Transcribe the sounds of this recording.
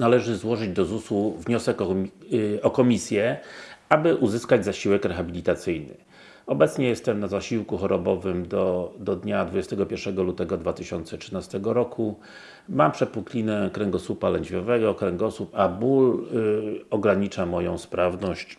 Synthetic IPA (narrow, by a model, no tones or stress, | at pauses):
nalɛʐɘzwɔʐɘd͡ʑd̪ɔzusuvɲɔsɛkɔ | ɔkɔmʲisʲjɛabɘʔuzɘskad͡ʑzaɕiwɛkɾɛxabʲilʲit̪at̪sɘjnɘ̰ | ɔbɛt̪sɲɛjɛst̪ɛmnazaɕiwkuxɔɾɔbɔvɘmd̪ɔd̪ɔd̪ɲad̪vud͡ʑest̪ɛɡɔpʲjɛɾʂɛɡɔlut̪ɛɡɔd̪vat̪ɘɕɔnt̪sɛtʂɘnast̪ɛɡɔɾɔkʰu | mampʂɛt̪̚puklʲinɛkɾɛŋɡɔsupalɛɲd͡ʑvʲjɔvɛɡɔkɾɛŋɡɔsupabul | ɔɡɾaɲit͡ʂamɔjɔ̃w̃spɾavnɔɕt͡ɕ